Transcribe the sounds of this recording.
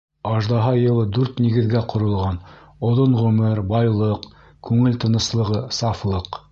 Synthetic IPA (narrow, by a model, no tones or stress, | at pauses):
ɑʒd̪ɑɦɑjɤ̆lˠɤd̪ʉɾt̪niɡɘ̆ðɡæqʰŏɾɤ̆lˠʁɑn | ŏðoɴʁɵmɘɾbɑjlˠɤq | kʉŋɘlt̪ɤ̆nɤ̆slˠɤ̆ʁɤsɑflˠɤq